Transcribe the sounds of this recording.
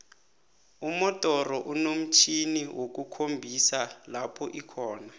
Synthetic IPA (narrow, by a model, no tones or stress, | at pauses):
umɔtʼɔrɔʔunom̩t͡ʃʰiniwʔok̬ʼukʰombʱisalapʰɔʔikʰɔːna